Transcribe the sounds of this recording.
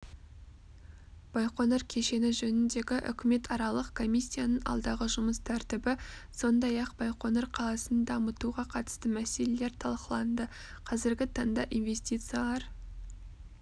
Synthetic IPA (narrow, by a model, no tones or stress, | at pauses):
b̥ɑjqo̞nɑɾkʲʰe̞ʃe̞nɪʒɵnɪnd̪e̞ɡʲɪʔʏ̰kʲʰɪme̞t̪ʰɑɾɑlˠəqkʰo̞mʲisʲːijanəɴʔɑ̰lˠd̪ɑʁəʒʊməst̪ʰæɾt̪ɪbɪso̞nd̪ɑjɑqb̥ɑjqo̞noɾqʰɑlˠɑsənd̪ɑmət̪uʁɑqʰɑt̪ə̥st̪əmæse̞le̞le̞ɾt̪ʰɑlˠqəlˠɑnd̪ə | qʰɑzɪɾɡʲɪt̪ʰɑɴd̪ɑʔinve̞sʲt̪ʲijt̪sɨjalˠɑɾ